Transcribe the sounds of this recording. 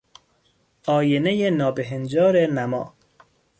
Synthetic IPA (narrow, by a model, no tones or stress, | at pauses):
ɒːjenejenɒːbeɦend͡ʒɒːɾenæmɒ̰ː